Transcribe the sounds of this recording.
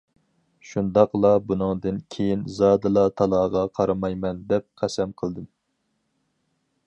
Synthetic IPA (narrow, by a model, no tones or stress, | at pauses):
ʃund̪ɑqlˠɑbunɨŋd̪ɨnkʲʰejinzɑːd̪ɨlˠɑt̪ʰɑlˠɑʁɑqʰɑɾɑmɑjmɛnd̪ɛp̚qʰæsɛmqʰəlˠd̪ɨm